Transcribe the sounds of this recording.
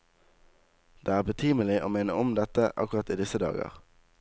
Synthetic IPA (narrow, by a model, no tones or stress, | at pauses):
d̪̥eːæːbət̪ʰyːməlɪʔoːmeːnəʊmd̪ɛt̪əʔɑ̰kʊʁɑt̪iːd̪ɪsəd̪ɑ̰ːɡə̰ʁ